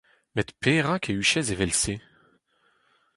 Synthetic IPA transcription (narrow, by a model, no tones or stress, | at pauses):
mɛt̪pʰeʁakʰeyʃɛzevɛlse